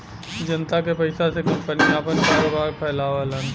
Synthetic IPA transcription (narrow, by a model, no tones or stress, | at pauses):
d͡ʒɐnt̪akepɐɪsasekɐ̃mpəniaːpənkaːɾobaːɾpʰɛːlaːʋalan